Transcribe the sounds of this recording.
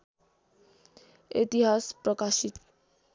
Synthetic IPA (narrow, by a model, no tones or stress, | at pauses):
ḛt̪iɦaspɾɔkaʃit̪